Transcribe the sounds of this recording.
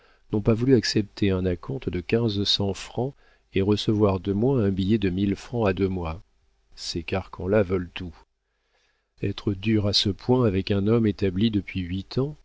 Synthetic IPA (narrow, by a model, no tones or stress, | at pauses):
nɔ̃pavulyaksɛp̚t̪ʰeɛ̃nakʰɔ̃t̪d̪əkʲɛ̃zsɑ̃fχɑ̃ | eʁəsəvwaʁd̪əmwɛ̃ɛ̃bijɛd̪əmilfχɑ̃ad̪ømwa | sekaʁkʰɑ̃lavœlt̪u | ɛt̪χəd̪yʁasəpwɛ̃avɛkɛ̃nɔmet̪ablid̪əpɥiɥit̪ʰɑ̃